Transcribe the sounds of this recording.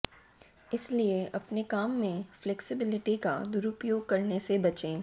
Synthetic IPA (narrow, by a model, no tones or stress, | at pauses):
ɪslieʔɐpnekaːmːẽflɛksɪbɪlɪʈika̰d̪ʊɾʊpjoːɡ̚kɐɾnesebɐt͡ʃẽː